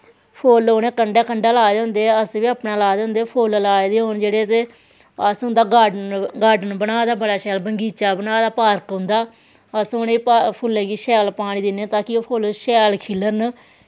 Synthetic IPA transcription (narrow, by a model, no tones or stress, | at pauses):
pʰoːloːneːkəɳɖɛːkəɳɖaːlaːd̪ẽːʊnd̪eːəsʋiːaːpnaːlaːd̪ẽːʊ̃nd̪epʰoːllaːed̪eːɦoːnd͡ʒeːɽeːt̪eː | əsɦʊ̃nd̪aːɡaːɖɡaːɖənbənaːd̪aːbəɽaːʃɛːlbəŋɡiːt͡ʃaːbənaːd̪aːpaːɾəkɦʊnd̪aː | əsoːneːiːpapʰʊlːɛ̃ːɡiːʃɛːlpaːɽ̃iːd̪ɪnẽːt̪aːkioːpʰoːlʃɛːlkʰɪlːəɾn